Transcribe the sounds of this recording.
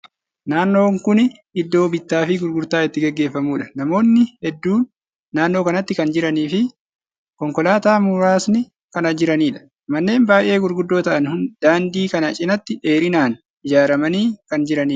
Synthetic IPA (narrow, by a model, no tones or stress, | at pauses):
naːnːo̞ːŋkʊn | ɪd̪ːo̞ːbɪt̪ːaːfɪɡʊɾɡʊɾt̪aːɪt̪ːɪɡɛɡːe̞ːfːɐmuːᶑɐ̥nɐmo̞ːnːɪhɛd̪ːuːnː | aːnːo̞ːkɐnɐt̪ːɪkɐnd͡ʒɪɾɐniːfɪ | kɔŋkɔlaːt̪aːmʊɾaːsnɪ | kɐnɐd͡ʒɪɾɐniːᶑɐ̥ | mɐnːe̞ːmbaːʔe̞ːɡʊɾɡʊd̪ːo̞ːt̪ɐʔɐnhʊnd̪̥aːnd̪iːkɐnɐt͡ʃʼɪnɐt̪ːɪʔe̞ːɾɪnaːn | ɪd͡ʒaːɾɐmɐniːkɐnd͡ʒɪɾɐniː